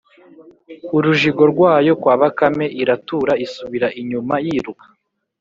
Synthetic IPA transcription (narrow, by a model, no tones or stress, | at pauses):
uɾuʒiɡo̞ɾɡwaːjo̞kwaːβakame̞ʔiɾatuɾaisuβiɾaʔiɲumajiːɾukḁ